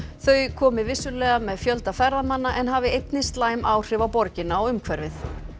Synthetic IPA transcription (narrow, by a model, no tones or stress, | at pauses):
θœɥkʰɔːmɪvɪsʏlɛːɣamɛðfjœlt̪afɛɾðamanːaʔɛnɦaːvɪejt̪nɪst̪laːjmʔaːwr̥ɪvawpɔɾcɪnaɔɣʏmkʰvɛɾvɪθ